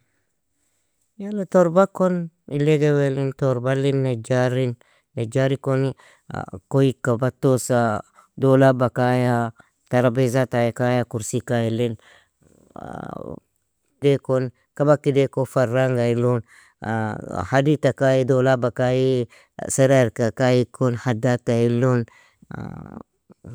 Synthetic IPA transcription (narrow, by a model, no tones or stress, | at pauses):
jalatoɾbakon | ileɡewelintoɾbalinːed͡ʒaɾinː | ed͡ʒaɾikonḭ | koikabatosa | dolabakaja | taɾabezatajekajakuɾsikajilin | dekon | kabakidekofaɾaŋɡailon | haditakajidolabakaji | seɾaɾkakajikonhadatailon̰